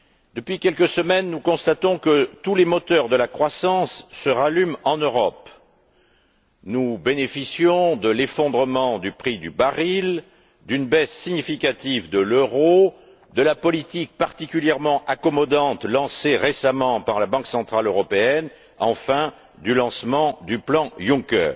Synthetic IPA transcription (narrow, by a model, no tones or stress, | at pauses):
d̪̥əpɥikʲɛlkəsəmɛnnukɔ̃st̪at̪ɔ̃kət̪ulemɔt̪œʁd̪əlakχwasɑ̃sːəʁalymɑ̃nøʁɔp | nubenefisjɔ̃d̪əlefɔ̃d̪ʁəmɑ̃d̪ypχid̪ybaʁil | d̪ynbɛsːiɲifikat̪ivd̪əløʁo | d̪əlapɔlit̪ik̚paʁt̪ikʲyljɛʁmɑ̃ʔakɔmɔd̪ɑ̃t̪lɑ̃seʁesamɑ̃paʁlabɑ̃ksɑ̃t̪χaløʁɔpeɛn | ɑ̰̃fɛ̃ | d̪ylɑ̃smɑ̃d̪yplɑ̃jũkɛ̰ː